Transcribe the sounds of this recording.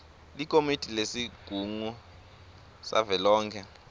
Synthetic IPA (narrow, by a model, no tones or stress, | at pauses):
likʼomitʼilesiɡ̥ʱuŋu | sa̰vɛlɔːŋkʰɛ